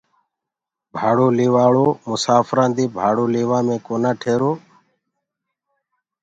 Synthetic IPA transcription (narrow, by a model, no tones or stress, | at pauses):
bʱaːɽoːliːʋaːɭoːmʊsaːfɾãːnd̪iːbʱaːɽoːleːʋãːmẽːkoːnãːʈʰeːɾoː